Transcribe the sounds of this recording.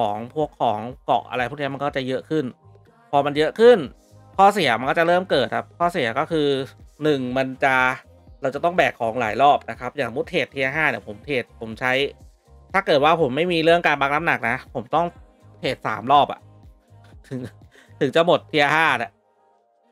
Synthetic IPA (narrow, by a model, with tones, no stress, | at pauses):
kʰɔː˩˦ŋpʰu˥˩əkʰːɔː˩˦ŋkɔ̰˨˩ʔ̚ʔa̰˧ɾa˧jpʰuː˥˩ni˦˥m˧nkɔː˥˩t͡ɕa˨˩jɤ˦˥ʔkʰɯ˥˩n | pʰɔː˧ma˧njɤ˦˥ʔkʰɯ˥˩n | kʰɔː˥˩si˨˩˦ɐma˧nkɔː˥˩t͡ɕa˨˩ɾɤː˥˩mkɤː˨˩t̪̚ʰa˨˩p̚kʰɔː˥˩si˨˩˦ɐkɔː˥˩kʰɯː˧nɯ˨˩ŋma˧nt͡ɕa˨˩ | ɾa˧wt͡ɕa˨˩t̪ɔ˥˩ŋbɛː˨˩kʰːɔː˩˦ŋla̰ː˩˦jlɔː˥˩p̚na˦˥kʰa˦˥p̚jaː˨˩ŋmu˦˥t̪̚ʰeː˨˩t̪ʰːiː˧a˧ɦaː˥˩ni˧˨˩pʰo˩˦mt̪ʰeː˨˩t̪̚pʰo˩˦mt͡ɕʰa˦˥j | t̪ʰaː˥˩kɤː˨˩t̪̚waː˥˩pʰo˩˦mːa˥˩jmiː˧ɾɯ˥˩əŋkaː˧nbaː˧˥k̚na˦˥mna˨˩k̚na˦˥pʰo˩˦mt̪ɔ˥˩ŋ | t̪ʰeː˨˩t̪̚sa̰ː˩˦mlɔː˥˩p̚ʔa̰˨˩ʔ | t̪ʰɯ˨˩˦ŋ | t̪ʰɯ˨˩˦ŋt͡ɕa˨˩mo˨˩t̪ʰːi˧ʔa˧ɦaː˥˩a˨˩ʔ